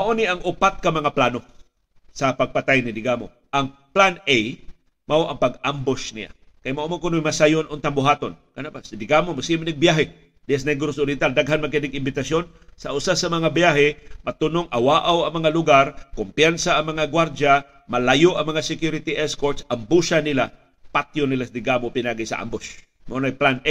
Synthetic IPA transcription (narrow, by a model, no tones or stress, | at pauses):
mɐʔoniʔɐŋʔʊpat̪̚kɐmɐŋaplano | sɐpɐɡ̚pɐt̪ajnɪd̪ɪɡaːmo | ʔɐŋ | planej | maoʔɐŋpɐɡambosnɪ̰ʔa̰kɐjmɐʔomonkʊnojmɐsajonʔʊnt̪aŋbʊɦaːt̪onkɐnapasd̪ɪɡamomasimɪnɪɡ̚bjaɦɛ | d̪̥ɪɛs̬najɡʊɾosʊɾjɪnt̪ald̪aɡɦanmɐk̬ɪnɪɡɪmbɪt̪ɐsjon | sɐʔʊsasɐmɐŋabjaɦɛmɐt̪ʊnoŋʔɐwaːʔawɐŋmɐŋalʊɡaɾkʊmpjansaːŋmɐŋaɡwaɾd͡ʒa | mɐlajoʔɐŋmɐŋasɪkjuɾɪt̪iʔɛskoɾt̪sʔɐmbusanɪla | pat̪jonɪlasd̪ɪɡamopɪnaːɡɪsɐ̰ʔa̰mbos | mɐonajplanʔe